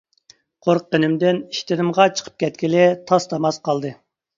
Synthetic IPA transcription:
qʰoɾq̚ːənɪmd̪ɪniʃt̪ɪɾɪmʁɑt͡ʃʰə̥qʰə̥p̚kʲʰɛt̪̚kʲilɪt̪ʰɑst̪ʰɑmɑsqʰɑlˠd̪ɨ

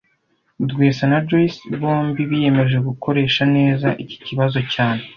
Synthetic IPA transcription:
udɡweːsanad͡ʒoisβo̞ːmbiβije̞me̞ʒe̞ɡukʰo̞ɾe̞ːʃane̞ːzaʔici̥ciβazo̞caːne̞

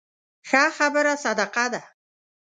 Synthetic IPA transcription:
xaχabəɾasad̪aqad̪a

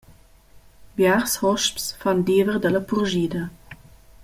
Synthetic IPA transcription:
bjaʁshɔʃpsfandiːvəʁdələpʰuʁʒiːdə

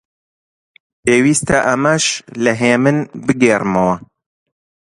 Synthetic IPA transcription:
peːwiːst̪ɐʔɐmɐʃlɐɦeːmɨnbɨɡeːrmɐwɐ

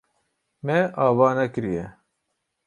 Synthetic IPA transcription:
mɛʔɑːvɑːnɛkɨɾijɛ

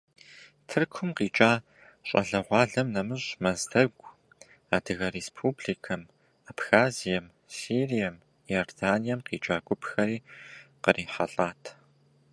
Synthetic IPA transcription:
tʰɨrkʷʰʊmqiːt͡ʃʼaː | ɕʼɐ̰ɮɐʁʷɑːɮɐmnɐmɨɕmɐzdɐɡʷʼ | aːdɨɣɐɾeːspʰuːbɮikʰɐm | apxaːzijɐm | siːrijɐm | jordaːnijɐmqiːt͡ʃʼaːɡʷʼʊpxɐɾiːqərʔiːħɐɬʼaːtʰ

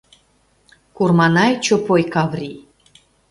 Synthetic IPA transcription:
kurmɑnɑjt͡ɕopojkɑvrʲi

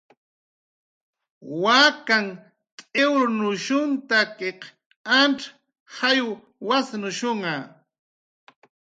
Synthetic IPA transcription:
wakaŋ | t̪ʼewɾnʊʃʊnt̪akeq | anʈ͡ʂ | hajw | wasnʊʃoŋa

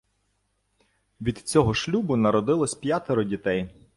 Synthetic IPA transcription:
ʋʲid̪t͡sʲɔɦɔʃlʲubʊnɐɾɔd̪ɪlˠɔsʲpjat̪eɾɔdʲit̪ɛj

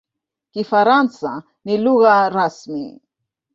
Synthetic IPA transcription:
kɪfaɾant͡sa | nɪluɣaɾasmɪ̰

